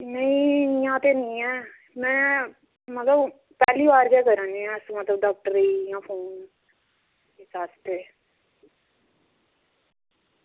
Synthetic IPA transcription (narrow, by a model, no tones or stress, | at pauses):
nə̃ĩnijãːt̪enĩɛː | mɛ̃ː | mət̪ləb | pɛːliːʋaːɾkɛːkəɾãːniãsmət̪ləb̚ɖaːk̚ʈəɾiːjãːpʰoːn | esaːst̪eː